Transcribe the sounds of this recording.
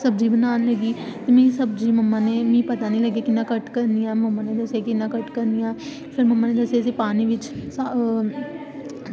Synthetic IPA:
səbd͡ʒiːbənaːnləɡiːt̪emĩːsəbd͡ʒiːməmːãːneːmĩːpət̪aːnĩːləɡaːkɪnːãːkəʈkəɾnijãːməmːãːneːd̪əsaːkɪnːãːkəʈkəɾnijãː | pʰɪɾməmːãːneːd̪əsasipaːnĩːʋɪt͡ʃs

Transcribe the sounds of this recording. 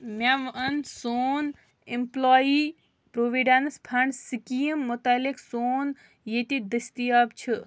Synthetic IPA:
mʲaʋʔɐnsoːn | implaːji | pɾoːʋiɖanspʰaɳsikijəmːʊt̪aliksoːn | jet̪id̪ɨst̪ijab̚t͡ʃʰɨ

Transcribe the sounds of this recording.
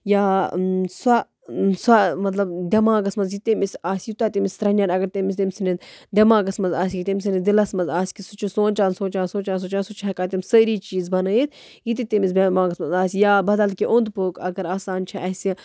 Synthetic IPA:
jaːsɐ | samɐt̪lɐbd̪ʲɐmãːɡɐsmɐnzjit̪emisaːsʲjit̪at̪emisʲt̪ɾɐnʲjaːnɐɡɐɾt̪emis̬d̪emʲsined̪ʲɐmaːɡɐsmɐnzaːsʲkit̪emʲs̬ined̪ilɐsmɐnzaːsʲkisut͡ʃʰisoːnt͡ʃaːnsoːnt͡ʃaːnsoːnt͡ʃaːns̬ut͡ʃaːnsut͡ʃʰɛɐkaːt̪emsəɾiːt͡ʃiːzbɐnɐit̪̚ | jit̪it̪emis̬bʲɐmaːɡɐsmɐnzaːsʲjaːbɐd̪ɐlkiʔʊnd̪poːkɐɡɐɾaːsaːnt͡ʃʰɐʔɐsʲi

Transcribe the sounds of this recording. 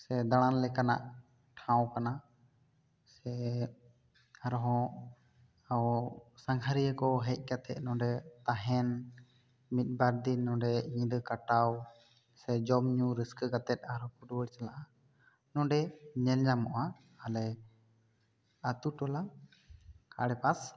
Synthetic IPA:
sɛd̪aɽ̃anlɛkana̰ʔ | ʈʰãwkana | sɛ | aɾɔɦɔ̃ | awsaŋɡʰaɾijəkɔɦɛc̚ˀkat̪ɛt̪̚ˀnɔ̃ɖɛt̪aɦɛn | mit̪̚ˀbaɾd̪inːɔ̃ɖɛiɲɛd̪əkaʈaw | sɛd͡ʒɔmɲuɾiskəɡat̪ɛt̪̚ˀaɾɔ̃kuɖuwəɽt͡ʃalaʔa | nɔ̃ɖɛɲɛlɲamɔʔa | alɛ | at̪uʈɔla | ka̰ɽɛpas

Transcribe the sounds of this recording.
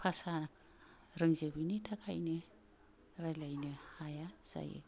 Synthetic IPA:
pʰasanak | ɾɯŋzɯbinitʰakʰa̰jnɯ | ɾalajnɯhajaz̥a̰jɯ̰

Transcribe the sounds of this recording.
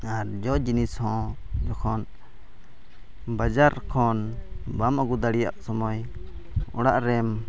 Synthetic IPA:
aɾd͡ʒɔd͡ʒinishɔ̃ | d͡ʒɔkʰɔn | bad͡ʒaɾkʰɔnbamaɡud̪aɽija̰ʔsɔmɔj | ɔ̰ɽaʔɾɛm

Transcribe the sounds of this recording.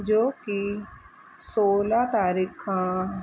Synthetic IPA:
d͡ʒoːki | soːlaːt̪aːɾiːkʰãː

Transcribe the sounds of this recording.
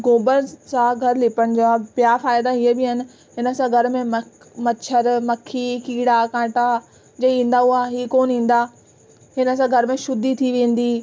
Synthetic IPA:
ɡoːbənsãɡʱɐɾlɪpəɽ̃ɪd͡ʑoapjafaːɪd̪aɦiəbɪɦɐnɪ̆ | ɦɪnə̆sãɡʱɐɾ̆mẽmə | mɐt͡ɕʰəɾmɐkʰikiːɽakãːʈa | d͡ʑɐĩːn̆d̪aɦuaːɦiːkoːnɦĩːn̆d̪aː | ɦɪnə̆sãɡʱɐɾmẽʃʊd̪it̪ʰiʋẽːn̆d̪iː

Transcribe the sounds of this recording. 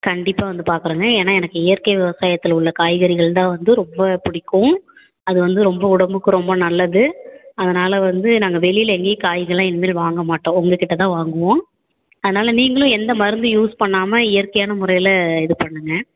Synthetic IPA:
kɐɳɖɪpːaːʋɐnd̪ɯpaːɾkɯɾɯːŋɡɐeːnːaːɛnɐkːɯɪjɐɾkɐɪʋɪʋɐsaːjɐt̪ːɪlʊɭːɐkaːjɣɐɾɪɣɐɭt̪ãːʋɐnd̪ɯɾɔmbɐpʊɽɪkːʊ̃ | ɐðɯʋɐnd̪ɯɾɔmbɐʊɽɐmbɯkːɯɾɔmbɐnɐlːɐðɯɐðɐnaːlɐʋɐnd̪ɯnaːŋɡɐʋɛɭɪjlɛŋɡeːkaːjɣɐɭãːɛnɯmeːlʋaːŋɡɐmaːʈːõːɔŋɡɐkɪʈːɐt̪ãːʋaːŋɡɯʋõː | ɐðɐnaːlɐniːŋɡɐɭʊ̃ɛnd̪ɐmɐɾɯnd̪ɯjuːspɐɳːaːmɐɪjɐɾkɐjaːnɐmʊɾɐjɪlɐɪðɯpɐɳːɯŋɡɐ

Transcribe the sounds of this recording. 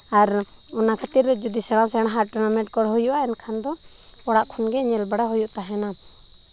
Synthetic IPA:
aɾ | ɔnakat̪iɾːɛd͡ʒud̪isɛɽ̃ãs̬ɛɽɦaɾʈɔnamɛʈ̚kɔɽɦɔjuʔaɛnkʰand̪ɔ | ɔɽaʔt̪ʰɔnɡɛɲɛlbaɽaɦujuʔt̪aɦɛna

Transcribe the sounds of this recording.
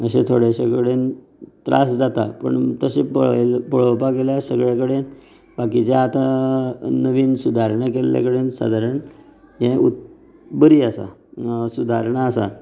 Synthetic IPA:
əɕẽt̪ʰoɽjaɕakəɽen | t̪ɾʔa̰sd͡zat̪apə̰ɳt̪əɕeplpəɭ̤opakeljasəɡɭakəɽen | bakit͡ɕjaːt̪a | nəʋiːnsud̪ʱaɾɳakelja̰kəɽensa̰d̪ʱaɾəɳ | ɦɛ̃ut̪ | bəɾiːəsa̰sud̪ʱaɾɳaːsa

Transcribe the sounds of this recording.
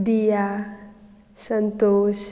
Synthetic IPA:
d̪ija | sənt̪oːʃ

